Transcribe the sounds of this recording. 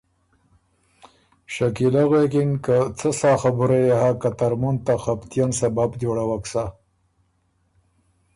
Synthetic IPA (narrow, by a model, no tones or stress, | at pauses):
ʃakilaɣekɪŋɡkat͡səsɑxabuɾajahakat̪aɾmunt̪axapt̪jansababd̪oɽawaksa